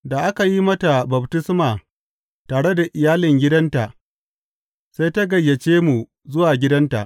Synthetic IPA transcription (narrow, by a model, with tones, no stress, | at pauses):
da˨ʔa˦ka˨ji˦mɐ˦ta˨bɐ˨btɪ˦smaː˨ | taː˨ɽe˦da˨ʔɪ˨jaː˦lɪ˨ŋɡʲɪ˦dɐ˦nta˨ʔ | sa˦jta˦ɡɐ˨jːɐ˨t͡ʃeː˦mu˨ | zʊ˦waː˨ɡʲɪ˦dɐ˦nta̰˨ʔ